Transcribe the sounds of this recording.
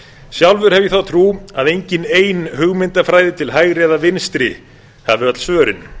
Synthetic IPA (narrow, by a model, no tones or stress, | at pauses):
sjawlvʏɾ̥hɛvjɪθawt̪ʰɾuːaðejɲcɪneːjnhʏɣmɪnt̪afɾaːjðɪt̪ʰɪlɦajɣɾɛðavɪnst̪ɾɪ | havɪat̪l̥svœːɾɪn